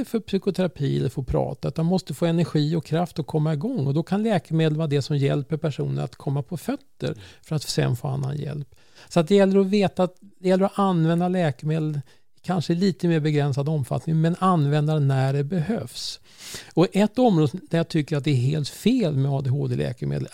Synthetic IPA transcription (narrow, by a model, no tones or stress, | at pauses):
əfœɾpsʏkʊt̪ʰɛɾapʰiːɛ̰lːəɾfoːpʰɾɑ̰ːt̪aʉ̟t̪ːanmɔst̪əfoːɛnæɾɧiːɔkʰɾaft̪ɔkʰɔmːaɪɡɔŋːɔd̪ɔkʰanlɛːkəmeːd̪lvɑːɾad̪ɛsɔmjɛ̰lpəɾpʰæʂṵːnə̰ɾa̰t̪kʰɔmːapʰɔfœt̪ːə̰ɾfœɾat̪sɛ̰nfo̰ːa̰nːa̰njɛ̰lp | sɔat̪̚d̪ɛjɛlːəɾɔveːt̪at̪d̪ɛjɛlːəɾɔʔanvɛnd̪alɛːkəɾmeːd̪l | kʰanʂəliːt̪əmeːɾbɛɡɾɛnsad̪ɔmfa̰t̪nɪŋmɛnanvɛnd̪aɾnæɖɛbɛɦøfs | ɔʔɛt̪ːɔmɾoːd̪əd̪æɾjat̪ʰʏkːəɾat̪̚d̪ɛːɾɦeːlt̪feːlmɛɑːd̪eɦoːd̪elɛ̰ːkəmḛːd̪ə̰l